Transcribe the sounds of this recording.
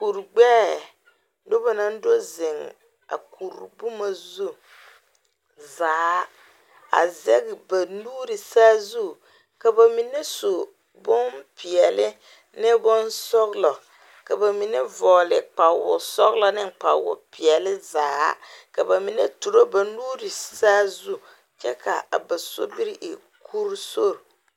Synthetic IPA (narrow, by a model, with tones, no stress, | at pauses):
ku˨ɾɡ͡bɛː˦ | dʊ˦ba˨na˦n˦do˦zɪ˨ŋ | a̰˨kʰu˨ɾbu˦ma˨zu˦ | zaː˨˦ | a̰˨zɛ˦ɣɪ˨ba˨nuː˦ɾɪ˨saː˦zu˦ | ka˨ba˨mi˨nɛ˦so˨ | bʊ˦npɪ˨ɛ˨lɪ˦ | nɪ˦bʊ˦nsɔ˦ɣlɔ˨ | ka˨ba˨mi˨nɛ˦vɔː˨lɪ˨k͡pa˨wʊ˨sɔ˦ɣlɔ˦nɪ˦ŋk͡pa̰˨wʊ̰˨pɪ˨ɛ˨lɪ˦zaː˨˦ka˨ba˨mi˨nɛ˦tu˨ɾo˦ba˨nuː˦ɾɪ˨saː˦zu˦ | t͡ʃɛ˦kʰa̰˨ba˨so̰˦bi˦ɾɪ˦ʔɪ˨ | kʰu˦ɾso˦ɾ